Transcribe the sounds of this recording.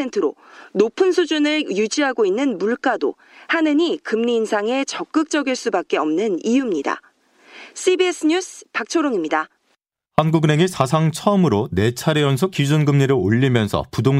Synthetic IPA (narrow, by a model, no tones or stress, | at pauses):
entʰɯɾonopʰɯnsʰud͡ʑunɯɭjud͡ʑiɦaɡoinːɯnmuɭk͈ado̰ | hanɯɲikɯmɲiːnsʰaŋe̞t͡ɕʌk͈ɯk̚t͡ɕ͈ʌɡiɭs͈ubak͈̚e̞ʌmnɯnijumɲida̰ | s͈ʰibies͈ʰɯɲusʰpak̚t͡ɕʰoɾoŋimɲida | hanɡuɡɯne̞ŋisʰas̬ʰaŋt͡ɕʰʌʌmɯɾone̞t͡ɕʰaɾejʌnsʰokid͡ʑunɡɯmɲiɾɯɭoʎːimjʌnsʰʌ̰pudoŋ